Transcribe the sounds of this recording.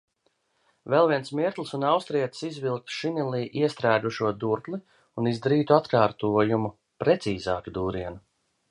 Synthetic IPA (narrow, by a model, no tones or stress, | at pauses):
vɛlˠviɛnsmiɛɾt̪lˠsunawst̪ɾiɛt̪sizvilˠk̚t̪ʃinilˠiːʔiɛst̪ɾæːd̪uʃuɔd̪uɾt̪lˠi | unizd̪aɾiːt̪uat̪kaːɾt̪uɔjumu | pɾɛt̪siːzaːkid̪uːɾiɛnu